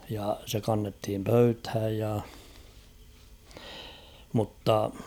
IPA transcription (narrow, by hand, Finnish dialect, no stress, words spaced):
jɑ se kɑnːethim pøythæj jɑ mutːɑ